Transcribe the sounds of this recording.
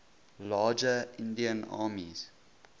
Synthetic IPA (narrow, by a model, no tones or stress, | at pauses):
laːd͡ʒəɪ̃ndiə̃na̰ːmḭz̥